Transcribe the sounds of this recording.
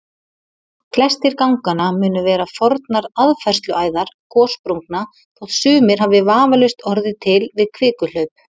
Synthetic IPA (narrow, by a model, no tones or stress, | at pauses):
kʰlɛst̪ɪɾkawŋkanamʏːnʏvɛːɾafɔɾt̪naɾaðfɛrst̪lʏaːjðaɾ̥kʰɔːspɾuŋkna | θʰɔðsʏːmɪɾ̥ɦavɪvaːvalʏɥst̪ɔɾðɪt̪ʰɪlvɪðkʰvɪːkʏlœɥp̚